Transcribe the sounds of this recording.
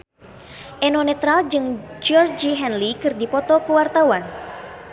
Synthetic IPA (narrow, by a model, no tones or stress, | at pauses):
ʔɛnɔnɛt̪ɾald͡ʒɨŋd͡ʒɔrd͡ʒiɦɛnlikɨrdipɔt̪ɔkuwart̪awan